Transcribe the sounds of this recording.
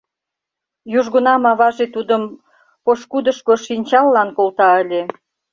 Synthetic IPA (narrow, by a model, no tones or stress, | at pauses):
juʒɣənɑmɑβɑʒet̪ud̪əm | poʃkud̪əʃkoʃinʲt͡ɕɑlːɑnkolt̪ɑəlʲe